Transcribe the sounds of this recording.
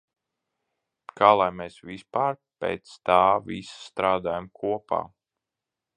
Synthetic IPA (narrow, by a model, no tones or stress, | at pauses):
kʰaːlˠajmeːsʋispaːɾpḛːt̪st̪aːvisḁst̪ɾaːd̪aːjamkʰuɔpa̰ː